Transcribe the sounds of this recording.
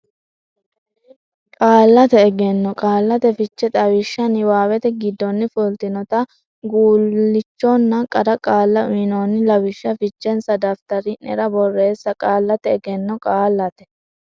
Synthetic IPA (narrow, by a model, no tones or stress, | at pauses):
kʼaːlːɐt̪ɛːɡɛnːɔkʼaːlːɐt̪ɛfɪt͡ʃːɛt̪ʼɐwɪʃːɐnɪwaːwɛt̪ɛɡɪd̪ːɔnːɪfʊlt̪ɪnɔt̪ɐ | ɡuːlːɪt͡ʃːɔnːɐkʼɐɾɐkʼaːlːɐɪnoːnːɪlɐwɪʃːɐfɪt͡ʃːɛnsɐd̪ɐft̪ɐɾɪnɛ̰ɾɐbɔrːe̞ːsːɐkʼaːlːɐt̪ɛːɡɛnːɔkʼaːlːɐt̪ɛ̥